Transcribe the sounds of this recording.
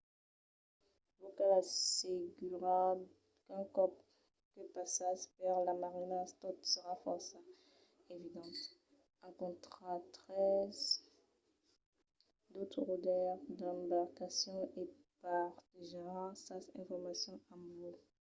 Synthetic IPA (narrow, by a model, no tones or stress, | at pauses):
vokalaseɡyʁab | kɛ̃kɔp | kəpasaspaʁlamaʁinast̪ɔ̃t̪səʁafɔʁsa | evid̪ɑ̃t̪ | ɛ̃kɔ̃t̪χat̪χɛz | d̪ot̪χəʁud̪ɛʁd̪ɑ̃baʁkasjɔ̃ʔe | paʁt̪eʒaãsasɛ̰̃fɔʁmasjɔ̃ãvo